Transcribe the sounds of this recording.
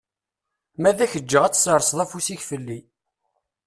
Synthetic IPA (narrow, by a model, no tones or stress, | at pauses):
mæðæçəd͡ʒːəʁæt͡sːsəɾˤsˤðˤæfusiçfəlːi